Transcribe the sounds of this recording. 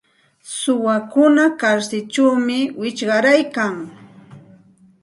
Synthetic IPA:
sʊwakʊnakaɾsɪt͡ʃawmɪwɪt͡ʃɢɑɾajkaŋ

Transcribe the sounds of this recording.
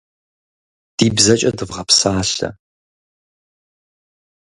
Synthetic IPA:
d̥iːbzɐt͡ʃʼɐdɨvʁɐpsaːɬɐ̰

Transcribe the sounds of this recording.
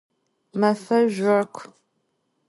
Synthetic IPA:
mɐfɐʒʷʊrkʷʰ

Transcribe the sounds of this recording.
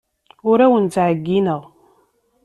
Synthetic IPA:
ʊɾæwənt͡sʕəɡːinəʁ

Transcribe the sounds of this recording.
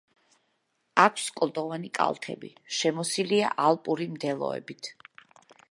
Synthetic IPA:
akʷʰskʼlˠd̪ʼɔvanikʼa̰lˠt̪ʰɛ̰bi | ʃɛmɔsilia̰ʔalˠpʼuɾimd̪ɛlˠɔ̰ɛ̰bit̪ʰ

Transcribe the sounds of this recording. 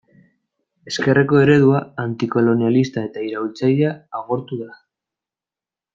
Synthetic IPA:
e̞ske̞re̞ko̞e̞ɾe̞ðuaant̪iko̞lo̞nialist̪ae̞t̪aiɾaβilt͡sajaːɣ̞o̞ɾt̪uða

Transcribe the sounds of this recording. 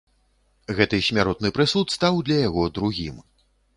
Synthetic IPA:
ɣɛt̪ɨsʲmʲaɾɔt̪̚nɨpɾɨsut̪st̪awd̪lʲɐjaɣɔd̪ɾuɣʲim

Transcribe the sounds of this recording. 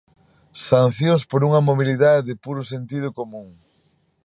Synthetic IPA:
san̟θjõspoɾuŋɐmoβiliðaðeðɪpuɾʊsent̪ið̞ʊkomũŋ

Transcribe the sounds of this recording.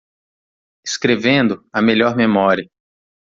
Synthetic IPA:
e̥skɾevẽnd̪ʊɐmeʎɔɾmemɔɾiɐ

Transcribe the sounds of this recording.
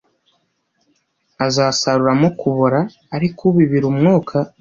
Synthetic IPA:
azaːsaɾuɾamokuβoɾaː | ɾikʰuβiβiɾumŋoːkʰa

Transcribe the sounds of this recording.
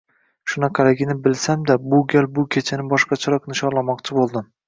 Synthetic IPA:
ʃʊnɑqʰɑlɪɡʲɪnɪbɪlsamd̪abʊɡʲalbʊkʲʰet͡ʃʰanɪbɒʃqɑt͡ʃʰaɾɒqnɪʃɒnlˠamɒqt͡ʃʰɪbolˠd̪ɪm

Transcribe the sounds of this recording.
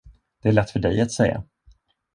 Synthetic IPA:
d̪̥ɛæɭɛt̪ːfœɖɛjat̪sɛ̰jːa̰

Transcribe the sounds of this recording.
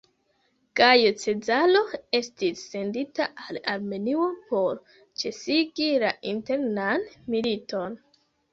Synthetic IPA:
ɡ̥ajot͡se̞d͡zalo̞e̞stisːe̞nditaʔalaɾme̞nio̞po̞ɾ | t͡ʃe̞siɡilaʔinte̞ɾnanmilito̞n

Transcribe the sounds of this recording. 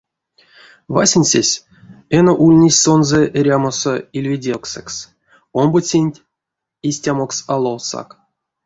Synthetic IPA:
va̰sʲenʲsʲḛsʲ | enoʔulʲnʲesʲsonzeʔeɾʲamosoilʲvʲedʲelˠksɛks | ombot͡sʲenʲtʲ | isʲtʲamoksalˠolsa̰k

